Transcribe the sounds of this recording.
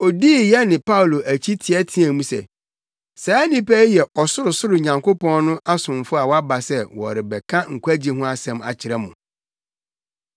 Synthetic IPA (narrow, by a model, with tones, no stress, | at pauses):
ɔ˨diː˦˨jɛ˦nɪ̃˨pʰa˦wlo˨ʔæ˨t͡ɕʰi˦tʰɪ˨ɛ˦tʰi˦æ̃˨mũ˦sɛ̰˨ | saː˨˦a˦nĩ˦pʰɛ˦i˦jɛ˨ʔɔ˨sʊ˦ɾʊ˨sʊ˦ɾʊ˨ɲã˨ŋkʰo˦pɔ̃˦n˦nʊ̃˦ʔa˦sʊ̃˨m˨fʊ˦a˨wa˦ba˨sɛ˦wɔ̰˨ɾɪ˨bɛ˨kʰã˦ŋ̩˨kʷu˦æ˦d͡ʑi˨ɦʊ̃˦a˦sɛ̃˨ma̰˨t͡ɕʰɪ˨ɾɛ˦mʊ̃˨